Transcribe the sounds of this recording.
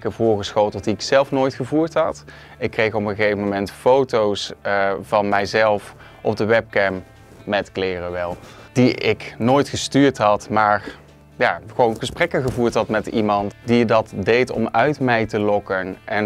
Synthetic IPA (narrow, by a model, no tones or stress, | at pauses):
kəvʊːɹɣəsxowtəlˠtdiɪksɛlˠfnoːjtχəvuːɹtɦɑt | ɪkːrejxɔpəɣejvəmomɛntfowtowsvɑnmɛjzɛlˠf | ʔɔb̚dəʋɛp̚kɛmː | ɛtklɪːrəʋɛlˠd̥iɪknoːjtχəstyːɹtɦɑtmaːr | jaːχəʋownɣəsprɛkənɣəvuːɹtɦɑtmɛtḭmɑntdidɑtdejtɔ̰mœɥtmɛjtəlɔkənʔɛn